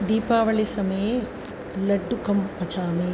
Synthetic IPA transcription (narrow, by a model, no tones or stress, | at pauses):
d̪iːpaːʋɐɭisɐmee | lɐɖːukɐmpɐt͡ʃaːmeː